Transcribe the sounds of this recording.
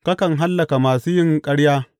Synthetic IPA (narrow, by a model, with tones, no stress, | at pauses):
kɐ˦kɐ˨ŋɦa˦lːɐ˨ka˨maː˨suː˦jɪ˦ŋkʼɐ˦ɽjaː˦